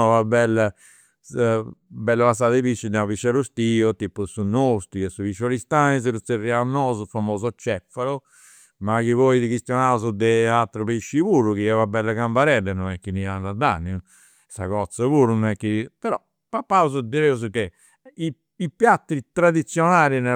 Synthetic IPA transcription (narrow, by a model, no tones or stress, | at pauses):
vabɛlːa | bɛlːəasaðepiʃːid̪ɛapiʃːɛɾust̪iot̪ipːusunːost̪uɛsuviʃɔlist̪anis̬əɾut̪serːianːɔːzufamoːzɔt͡ʃːɛfːaɾu | makivɔid̪ikist̪jɔnaːuzud̪ɛat̪ːɾəpiʃːipuːɾukiɛvabɛlːakambaɾɛd̪ɛnɔnɛkːiniandad̪a̰nːiu | sa̰kɔt̪sːəpuːɾunɔɛkːipɛɾɔ | pːapːauzud̪iɾeuzuke | i | ipjat̪ːɾit̪ɾad̪it̪sːjɔnaːɾinɛ